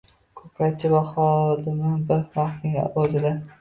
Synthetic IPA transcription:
kʰɵkʰat͡ʃʰɪvaχɒd̪ɪmnɪnbɪɾmaχt̪nɪŋa̰bɒd͡ʒɪd̪a

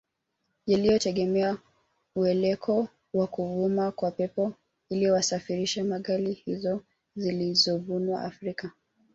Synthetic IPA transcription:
jalijɔtɛɠɛmɛa | uɛlɛkʰɔ | wakuvumakwapɛpɔ | iliwasafiɾiʃɛmaɠalihizɔ | zilizɔvunwa̰ʔafɾika

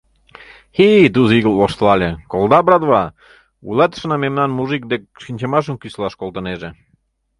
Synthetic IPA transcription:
xid̪uziɣəloʃt̪lɑlʲekolˠd̪ɑbɾɑd̪βɑ | ṵjlɑt̪ə̥ʃənɑmemnɑnmuʒik̚d̪ek̚ʃinʲt͡ɕemɑʃ̬ənkyslɑʃkolˠt̪ə̆neʒe

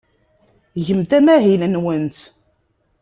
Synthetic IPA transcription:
ʝəmt̪æmæɦinnwənt̪

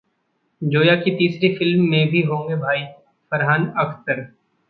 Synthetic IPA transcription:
d͡ʒoːjaket̪iːsɾefɪlmːẽbʱiɦõːŋɡebʱaːiː | fɐɾɦaːnɐkʰsəɾ

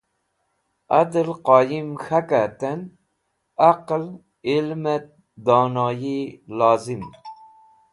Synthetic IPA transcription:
ad̪lqɑːjimxakat̪en | aql | ilmet̪̚ | d̪ɔːnɑjilɑːzim

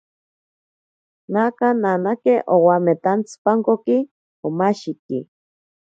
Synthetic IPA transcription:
nakananakeʔowamet̪ant͡spaŋkoki | omaʃikḭ

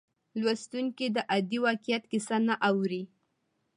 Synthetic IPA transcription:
lwast̪uŋkid̪əʔad̪iwɑkijat̪kɪsanaʔawɾi

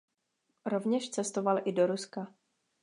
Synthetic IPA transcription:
ɾo̞vɲɛʃt͡sɛst̪o̞valʔɪdo̞ɾuska

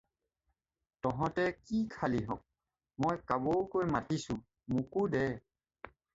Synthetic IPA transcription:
tɔɦɔ̃tɛkikʰaliɦɔ̰k̚ | mojkabokojmatisʊ̃ | mukudɛ

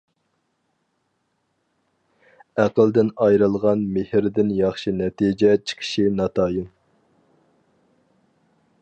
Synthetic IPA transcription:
æqəlˠd̪ɪnɑjɾɨlˠʁɑnmehɾd̪ɪnjɑχʃinɛt̪id͡ʒɛt͡ʃʰə̥qʰə̥ʃinɑt̪ʰɑːjim

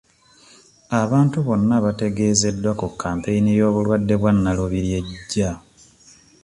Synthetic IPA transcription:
aβaːntuβo̞nːaβate̞ɡe̞ːze̞dːwakukːaːmpe̞inijo̞ːβulwadːe̞βwanːaluβiɾje̞ɟːa

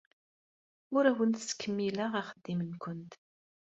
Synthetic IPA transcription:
ʊɾæwənt̪skːəmːilaʁaχəd̪ːimənkʷənt̪

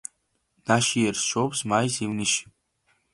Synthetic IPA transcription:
naʃijɛrsʃobsmajsiwniʃ

